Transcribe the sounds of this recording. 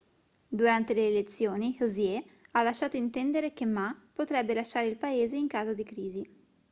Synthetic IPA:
d̪uɾant̪eleːlet̪sːjoːnizjɛ | alːaʃːaːt̪oint̪ɛnd̪eɾek̟emːapot̪ɾɛbːelaʃːaːɾeilpaeːzeiŋkaːzod̪ikɾiːzi

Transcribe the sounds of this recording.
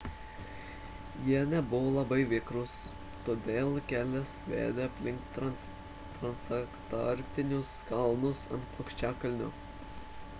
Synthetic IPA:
jiɛnʲɛbʊʋoːlˠɐbɐɪʋʲɪkɾʊs | t̪oːd̪ʲeːlˠkʲæːlʲɛsʋʲḛːd̪ʲeɐpʲlʲɪŋk̚t̪t̪ɾɐ | t̪ɾɐnsɐkt̪ɔɾʲpʲt̪ʲɪnʲʊskɐlˠnʊsɐ̰nt̪̚pˠokʃʲt͡ʃʲæːkɐlʲnʲʊ

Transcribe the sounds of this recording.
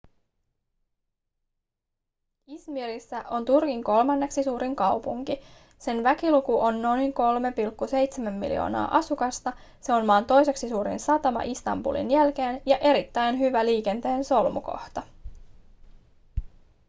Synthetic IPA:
ismiɾisːæʔo̞nt̪urkiŋko̞lmɑnːe̞ksisuːɾiŋkɑwpuŋki | se̞nʋækilukuʔo̞nːo̞jŋko̞lme̞pilkːuse̞jt̪semæmːḭlḭjo̰ːnɑ̰ːʔɑsukɑst̪ɑ | se̞onmɑːnt̪o̞jse̞ksisuːɾḭnsɑt̪ɑmɑ̰ʔist̪ɑ̰mbṵlḭnjælk̟e̞ːnjɑʔe̞ɾit̪ːæjnɦyʋæliːk̟e̞nt̪e̞ːnso̞lmuko̞̰ht̪ɑ

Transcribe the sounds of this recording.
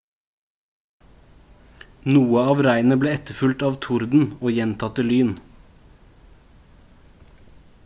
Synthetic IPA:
nuːəɑːʋɾæɪnəbleːɛt̪əfʉlt̪ɑːʋt̪ʰʊɾd̪n̩oːjɛnt̪ʰɑt̪əlyːn

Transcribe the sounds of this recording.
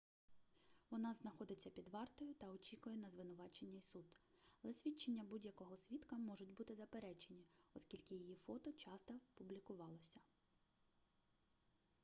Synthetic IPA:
ʋɔnɑznɐxɔd̪ɪt͡sʲːɐpʲid̪ʋɑrt̪ɔjʊt̪ɐɔt͡ʃʲikʊjɛnɐzʋɪnʊʋɑt͡ʃenʲːɐisud̪ | lˠɛsʲʋʲit͡ʃːenʲːɐbudʲjɐkɔɦɔsʲʋʲit̪kɐmɔʒʊtʲbut̪ɪzɐpeɾɛt͡ʃe̞nʲiɔskʲilʲkɪjijifɔt̪ɔt͡ʃɑst̪ɐpʊblʲikʊʋɑlˠɔsʲɐ

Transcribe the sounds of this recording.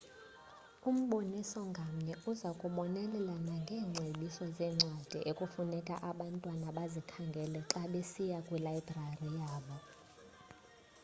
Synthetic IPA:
um̩ɓonisɔŋɡʱam̩ɲɛuzakʼuɓɔnɛlɛlanaŋɡʱɛːŋ͡ǀʱeɓisɔzɛːŋ͡ǀʱad̥ʱḭʔekʼufunɛkʼaʔaɓantʼwanaɓazikʰaŋɡʱɛlɛǁaɓesijakʼwilaibrarijaːɓɔ

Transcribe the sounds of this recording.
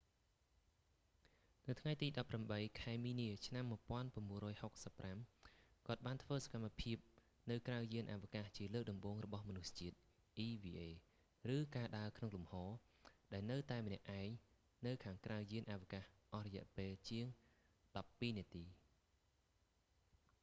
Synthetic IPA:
nɨwt̪ʰŋajt̪iːɗɑpːramɓəjkʰaɛmiːniət͡ɕʰnamːuəpŏənpaəmɓuənrɔːjhok̚səpːramkŏət̪̚ɓaːnt̪ʰʋəːsḁkamːapʰiəp̚ | nɨwkrawjiənʔa̰ʋikaht͡ɕiələːk̚ɗɑmɓoːŋrɔɓɑhmɔnust͡ɕiət̪̚ | ʔiːʋiːʔeː | rɨːkaːɗaəkʰnoŋlumhɑː | ɗaɛlnɨwt̪aɛmnɛ̆əʔaɛŋ | nɨwkʰaːŋkrawjiənʔaʋikahʔɑhrɔjɛ̆əʔpeːlt͡ɕiəŋ | ɗɑpːiːniət̪iː

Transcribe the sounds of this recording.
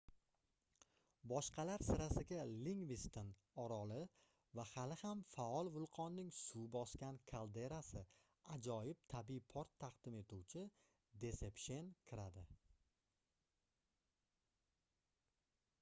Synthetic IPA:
bɒʃqʰɑlaɾsɪɾasɪɡʲaliŋvist̪on | ɒɾɒlɪ | vahalɪhamfaɒlˠvʊlˠqʰɒnːɪŋsubɒskʲankʰalˠd̪e̞ɾasɪ | ad͡ʒɒjɪp̚t̪ʰabijpʰoɾt̪ʰːaqd̪̥ɪme̞t̪uwt͡ʃʰɪ | d̪e̞se̞pʃe̞nkʲʰɪɾad̪ɪ

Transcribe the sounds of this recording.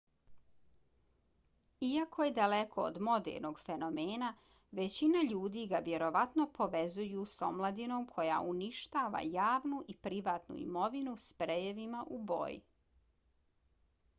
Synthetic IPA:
iakʰojed̪ale̞kʰo̰ːd̪mo̞d̪ḛɾnoɡfeno̞meːna | ʋe̞t͡ɕinaʎuːd̪iɡaʋje̞ɾo̞ʋat̪no̞pʰo̞ʋezujuso̞mlˠad̪ino̞mkʰo̞ja̰ʔuniʃt̪aːʋa̰jaːʋnuʔipɾiʋaːt̪nṵḭmo̞ʋinuspɾejeʋimaʔubo̰ːjḭ

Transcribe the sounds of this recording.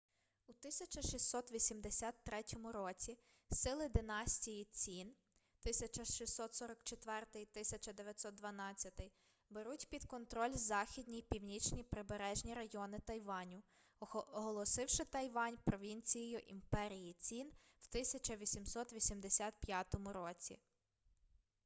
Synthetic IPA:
ut̪ɪsʲɐt͡ʃɐʃisʲːɔt̪ʋʲisʲimd̪esʲɑt̪ːɾɛtʲɔmʊɾɔt͡sʲi | sɪlˠɪd̪ɪnɑsʲtʲijit͡sʲin | t̪ɪsʲɐt͡ʃɐʃisʲːɔt̪sɔɾɐkt͡ʃet̪ʋɛrt̪ɪjt̪ɪsʲɐt͡ʃɐd̪eʋʲjɐt̪sɔt̪d̪ʋɐnɑt͡sʲːɐt̪ɪj | beɾutʲpʲid̪kɔnt̪ɾɔlʲzɑxʲid̪ʲnʲijpʲiwnʲit͡ʃnʲipɾɪbeɾɛʒnʲiɾɐjɔnɪt̪ɐjʋɑnʲʊ | ɔɦɔlˠɔsɪwʃɪt̪ɐjʋɑnʲpɾɔʋʲinʲt͡sʲijɔjʊʔḭmpɛɾʲijit͡sʲin | w̥t̪ɪsʲɐt͡ʃɐʋʲisʲimsɔt̪ʋʲisʲimd̪esʲat̪̚pʲjat̪ɔmʊɾɔt͡sʲḭ

